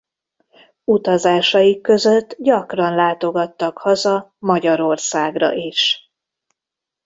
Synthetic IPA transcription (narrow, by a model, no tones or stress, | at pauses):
ut̪ɒzaːʃɒjikːø̞zø̞t̪ːɟɒkrɒnlaːt̪o̞ɡɒt̪ːɒkhɒzɒmɒɟɒɾo̞rsaːɡrɒ̰ʔiʃ